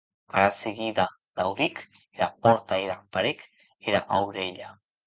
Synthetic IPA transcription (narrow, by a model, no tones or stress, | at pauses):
aɾaseɣiða | d̪awɾik | eɾapoɾt̪aeɾapaɾek | eɾa̰ʔawɾeʎa